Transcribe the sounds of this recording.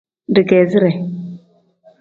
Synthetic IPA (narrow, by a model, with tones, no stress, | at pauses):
di˨ɡe˨zi˦ɾɛ˨